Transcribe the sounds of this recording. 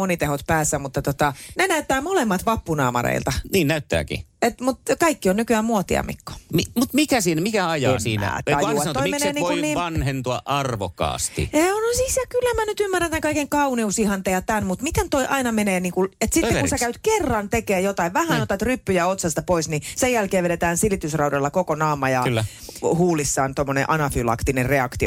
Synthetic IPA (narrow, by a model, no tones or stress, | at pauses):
onit̪ehot̪pæːsːæmut̪ːɑt̪ot̪ɑnenæyt̪ːæːmolemːɑt̪ʋɑpːunɑ̰ːmɑ̰rḛilt̪ɑniːnnæyt̪ːæ̰ːkḭet̪mut̪kɑikːionnykyæːmmuot̪ḭɑ̰mḭkːo̥mimut̪mikæsiːnmikæɑjɑssḭːnæ̰tɑunot̪oimeneːniːokunniːmʋɑnhent̪oɑ̰ʔɑrʋo̰kːɑ̰ːst̪ḭeonsisjɑkylːæmænyt̪ymːærænt̪ːæŋkɑikeŋkɑuniusihɑnt̪ejɑt̪ænmut̪mit̪ent̪oiʔɑinɑmeneːniːŋkunet̪sit̪ːekunsekæyt̪kerːɑnt̪ekeːjot̪ɑiʋʋæhænot̪ɑt̪rypːyjɑot̪sɑst̪ɑpoisnisejjælkeːʋeɾet̪æːnsilit̪ysrɑudɑlːɑkokonɑːmɑjɑlː | huːlisːɑːnt̪omːonẽʔɑnɑfylɑ̰kt̪inerreɑkt̪io